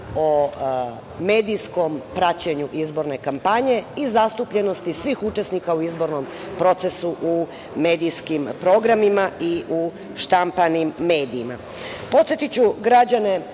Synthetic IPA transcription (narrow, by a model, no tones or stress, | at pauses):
o | me̞ːd̪ijsko̞mpɾat͡ɕe̞ɲuʔizbo̞ɾne̞kampaɲe̞izast̪upʎe̞no̞st̪isʋiːxut͡ʃe̞snikauizbo̞ɾno̞m | pɾo̞t̪se̞suʔu | me̞ːd̪ijskimpɾo̞ɡɾamimaʔiʔu | ʃt̪ampanimːe̞ːd̪iːma̰ | po̞t̪sjet̪it͡ɕuɡɾad͡ʑane̞